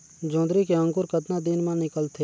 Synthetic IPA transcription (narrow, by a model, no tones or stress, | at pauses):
d͡ʒõːd̪ɾikeə̃ŋkʊɾkət̪nad̪ɪnmãnɪkəlt̪ʰeː